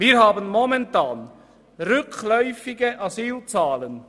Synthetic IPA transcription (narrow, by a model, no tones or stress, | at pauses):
viːɾhaːbənmɔmɛntʰaːn | ʁʏkʰlœʏfɪɡəʔɑsyːlt͡saːlən